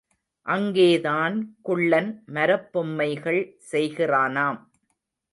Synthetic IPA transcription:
ʔɐŋɡeːðaːnkʊɭːɐnmɐɾɐpːʊmːɐɪɣɐɭsɛjɣɪraːnaːm

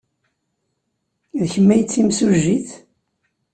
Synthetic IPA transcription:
ðçəmːæjət͡sːimsuʒːiθ

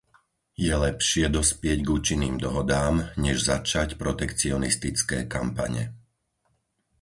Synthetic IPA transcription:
jɛlɛpʃɪɛd̪ɔspɪɛɟɡuːt͡ʃinːiːmd̪ɔɦɔd̪aːmɲɛʒzat͡ʃacpɾɔt̪ɛkt͡siɔnist̪it͡skɛːka̰mpa̰ɲɛ̰

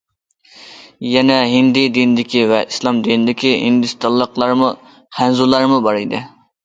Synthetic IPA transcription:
jɛnɛɦɪnd̪id̪inɪd̪ɪkʲivɛʔislˠɑmd̪inɪd̪ɪkʲiɦḭnd̪ɨst̪ɑlˠːəqlˠɑɾmʊ | χænzulˠɑɾmʊbɑɾɨjd̪ɪ̰

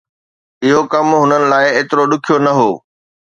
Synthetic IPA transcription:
ɪɦokɐmɦʊnənɪ̆laːɪeːt̪ɪɾoɗʊkʰijonɐɦoː

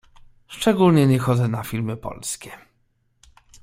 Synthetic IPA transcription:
ʂt͡ʂɛɡulɲɛɲɛxɔd̪zɛnafʲilmɘpɔ̰lskʲɛ

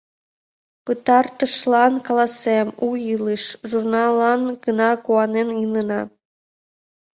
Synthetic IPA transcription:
pɯt̪ɑrt̪ɤ̆ʃlˠɑnkɑlˠɑsemujɯlˠɯʃʒurnɑlˠːɑnɡɤ̆nɑkuɑnenjɯnɯnɑ

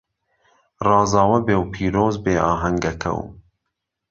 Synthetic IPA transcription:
rɑːzɑːwɐbeːwpʰiːɾoːzbeːʔɑːɦɐŋɡɐkʰɐ̰w

